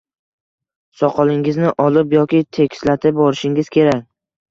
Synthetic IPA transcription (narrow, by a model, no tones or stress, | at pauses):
sɒqʰɒlˠɪŋɪznɪʔɒlɪpjɒkʲɪt̪ʰe̞kʲslat̪ʰɪp̚bɒɾɪʃɪŋɪzkʲʰe̞ɾakʲ